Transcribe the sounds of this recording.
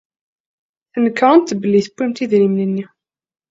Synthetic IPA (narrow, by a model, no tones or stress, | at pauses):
θənkːʁˤənt̪bəlːiθəpːimt̪iðɾimnənːi